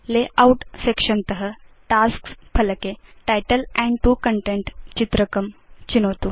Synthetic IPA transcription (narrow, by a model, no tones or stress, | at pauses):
leʔauʈsekʂəmt̪əɦə | ʈaskspʰələkeʈajʈəlɛ̃ɳɖʈuːkəɳʈẽɳʈt͡ɕit̪ɾəkəmt͡ɕinəwt̪u